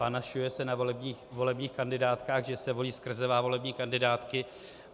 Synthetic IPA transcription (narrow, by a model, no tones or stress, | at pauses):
panaʃujɛsɛnaivo̞lɛbɲiːxkandɪdaːt̪kaːɣʒɛsɛvo̞liːskr̩zɛvaːvo̞lɛbɲiːkandɪdaːt̪kɪ